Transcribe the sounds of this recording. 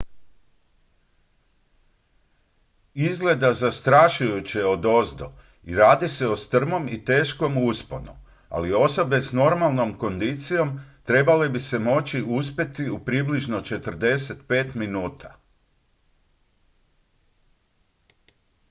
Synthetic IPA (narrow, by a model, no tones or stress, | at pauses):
izɡle̞d̪azast̪ɾaʃujut͡ɕeo̞d̪o̞zd̪o̰ | ḭɾaːd̪ise̞ost̪r̩mo̞mit̪e̞ːʃko̞muspo̞̰no̰ | a̰lio̞so̞be̞sno̞ɾmalˠno̞mko̞nd̪it̪sijo̞mt̪ɾe̞balebise̞mo̞t͡ɕiʔus̬pe̞t̪iupɾibliʒnot͡ʃe̞t̪r̩d̪e̞se̞t̪pe̞ːt̪minuːt̪ʰa